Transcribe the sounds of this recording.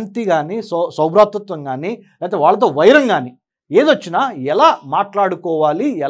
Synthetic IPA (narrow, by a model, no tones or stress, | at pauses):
nt̪iɡaːnissɐwbɾaːt̪ʋut̪ʋɐŋɡaːni | laːt̪̬eːʋaːɭːɐt̪̬o̞ːʋɐjɾɐŋɡaːni | eːd̪ʋɐt͡ʃːinaɛlaːmaːʈlaːɽukɔːʋaːliɛ